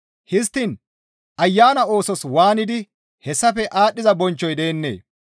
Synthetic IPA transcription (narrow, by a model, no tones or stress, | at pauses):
hɪst̪ːɪn | ʔɐjːaːnɐo̞ːsɔswaːnɪd̪ɪ | hɛsːɐfɛʔaːɗːɪzɐbɔnt͡ʃːɔjd̪eːnːḛː